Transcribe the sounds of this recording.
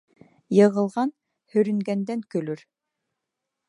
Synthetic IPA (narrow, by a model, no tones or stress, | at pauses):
jɤ̆ʁɤ̆lˠʁɑn | hɵɾy̆ŋɡænd̪ɛŋkɵlyɾ